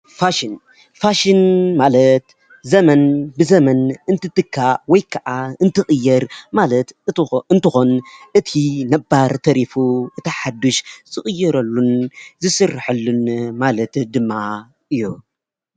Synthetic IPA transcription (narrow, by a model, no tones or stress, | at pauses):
faʃin | faʃinmalɐt̪ | zɐmɐnbɨzɐmɐnɨnt̪ʰɨt̪ɨkʰːawɔjkʰɐʔaɨnt̪ʰɨxʼɨjːɐɾmalɐt̪ɨnt̪ɨxo̞nʔɨt̪ʰinɐbːaɾt̪ʰɐɾifuʔɨt̪ʰɐħad̪ːuʃzʼɨxʼɨjːɐɾɐlːunzɨsɨrħɨlːunmalɐt̪d̪ɨmːa | ʔɨjːu